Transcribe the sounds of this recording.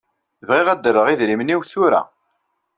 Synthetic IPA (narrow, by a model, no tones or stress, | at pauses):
θəvʁɪʁæd̪əɾːəʁiðɾimniwθʊɾa̰